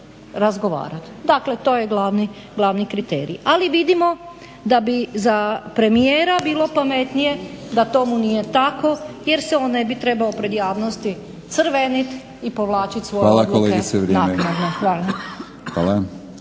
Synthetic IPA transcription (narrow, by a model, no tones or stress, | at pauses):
ɾazɡo̞ʋa̰ːɾat̪d̪aklet̪o̞ːjeɡlaʋni | ɡlˠaʋnikɾit̪eːɾḭaliʋid̪imo̞ | d̪abizapɾe̞mijeːɾabiːlˠo̞pame̞t̪nije̞d̪at̪o̞munije̞t̪ako̞jeɾseonːebit̪ɾe̞baopɾe̞d̪jaːʋnost̪i | t̪sɾ̩ʋenit̪ | ipo̞ʋlˠaːt͡ʃit̪ʲsʋoaːlakoleɡiseʋɾnaenad̪naʋan | xʋaːla